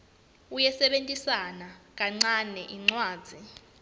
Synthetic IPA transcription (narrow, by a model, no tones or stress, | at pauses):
ujɛsɛɓentʼisanak̬ʼaŋ͡ǀanɛʔiŋ͡ǀwaːd̥z̥ʱi